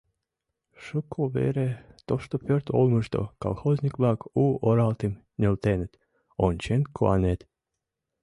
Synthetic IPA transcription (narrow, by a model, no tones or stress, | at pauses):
ʃɨkʰːovḛɾet̪oʃt̪opøɾt̪olmɨʃd̪o̰kɑ̰lxozʲnʲiklɑkuːoɾɑlt̪im | nʲelt̪ent̪ | ont͡ɕenkʰoɑnʲet̪